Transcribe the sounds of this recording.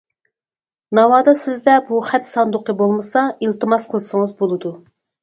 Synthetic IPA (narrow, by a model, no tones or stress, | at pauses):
nɑwɑːd̪ɑsɪzd̪ɛbuχɛt̪sɑnd̪ʊqəbolˠmɨsɑilt̪ɨmɑsqʰəlˠsəŋəzbolˠɨd̪u